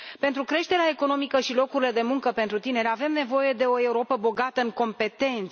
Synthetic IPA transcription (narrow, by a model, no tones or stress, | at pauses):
pe̞nt̪ɾukɾe̞ʃt̪e̞ɾeae̞ko̞nomikəʃilo̞kuɾile̞d̪e̞muŋkəpent̪ɾut̪ine̞ɾʲave̞mne̞vo̞je̞d̪e̞o̞e̞uɾo̞pəbo̞ɡat̪əɨŋko̞mpe̞t̪e̞nt̪s